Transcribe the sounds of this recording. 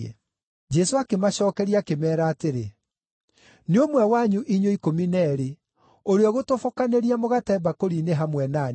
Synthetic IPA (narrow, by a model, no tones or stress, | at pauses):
ɛ̰ | d͡ʒɛsoakemaɕɔːkɛɾiakemɛːɾaːteɾe | neomwɛwaɲuʔiɲoikominɛɾe | oɾeɔɣotofokaneɾiamoɣatɛbakoɾiːneɦamwɛna